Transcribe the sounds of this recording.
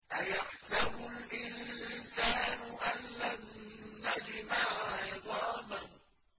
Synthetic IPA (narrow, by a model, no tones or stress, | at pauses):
ʔajaħsabʊlʔɪnsaːnʊʔanːanːad͡ʒɪmaʕʕɑðˤɑːmah